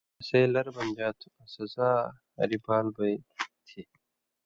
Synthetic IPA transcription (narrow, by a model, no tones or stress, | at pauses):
ɐseːlɐɾbɐnd͡ʑaːt̪ʰuɐsɐzaː | ɐ̰ɾibaːlbɐjt̪ʰi